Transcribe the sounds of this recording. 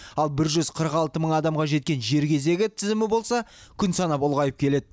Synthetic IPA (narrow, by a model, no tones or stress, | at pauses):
ɑlˠbɪɾʒʏzqʰəɾəqɑlˠt̪əməɴɑd̪ɑmʁɑʒe̞t̪̚kʲe̞nʒe̞ɾkʲe̞ze̞ɡʲɪt̪ʰɪzɪmɪbo̞lˠsɑkʲʰʏnsɑnɑpʊlˠʁɑjəp̚kʲʰe̞le̞d̪ɪ